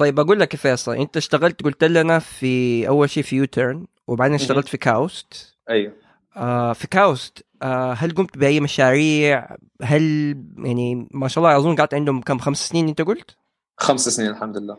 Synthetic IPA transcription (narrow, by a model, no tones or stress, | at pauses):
t̪ˤɑjebʔæɡuːlːækfæːsæʔent̪æʃt̪æɣælt̪ɡʊlt̪ʔælːænæfiʔæwːælʃeːʔfijut̪ʰeɾn | wʔebaʕd̪eːnnʃt̪æɣælt̪fikæwst̪ | ʔæjwa | ʔæfikæwst̪ | ʔæɦælɡomt̪bɪʔæjːmæʃaːɾiːʕ | ɦæljʔaʕnimaʃɑʔlˤːɑʔɑʕzˤuːnɡaʕt̪ʕend̪homkæːmxæmssniːnʔent̪æɡʊlt̪ | xæmsæsniːnelħamd̪ʊelːæː